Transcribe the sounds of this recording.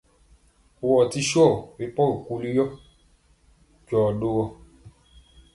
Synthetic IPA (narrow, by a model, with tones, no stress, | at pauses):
o˨wɔ˨ti˧˦ʃɔ˦˨we˨˦pɔ˦ɾɔ˨ku˧˦li˦jɔ˦ | d͡ʒɔ˨do˧wɔ˧